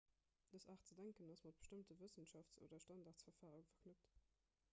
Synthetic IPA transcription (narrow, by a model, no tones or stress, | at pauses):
d̥əsaːχt͡sədæŋkənɑsmɑt̚b̥ə̥ʃtəmtəvəsənʃɑftt͡so̰ːdɐʃtɑndaːʁtsfɐʁfaːʁuŋfɐknʉpt